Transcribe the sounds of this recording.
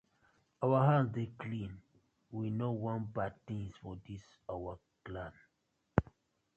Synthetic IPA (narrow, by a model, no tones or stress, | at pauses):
awaɦãnsdeklĩn | winowɔ̃nbad̚tĩŋsfɔdis | awa | klãn